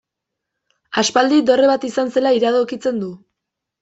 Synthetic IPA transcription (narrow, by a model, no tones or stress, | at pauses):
aspald̪id̪o̞reβat̪isanse̞laiɾað̞okit͡se̞nd̪u